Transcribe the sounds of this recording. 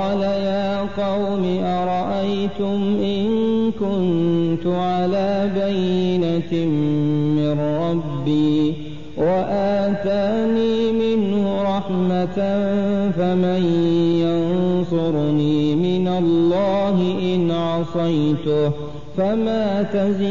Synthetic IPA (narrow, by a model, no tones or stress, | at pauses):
lajaːqɑwmiʔɑɾˤɑʔajt̪ʊmʔɪnkʊnt̪ʊʕalaːbajːɪnammɪnɾˤɑbːiː | waʔaːt̪aːniːmɪnhhʊɾˤɑħmat̪ | famajjansʊɾniːmɪnalːɑːɦɪʔɪnʕɑsˤɑjt̪ʊ | famaːt̪az